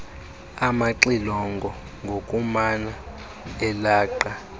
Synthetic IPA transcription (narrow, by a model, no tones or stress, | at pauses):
amaǃilɔŋɡʱɔ | ŋɡʱokʼumana | ɛlaːǃa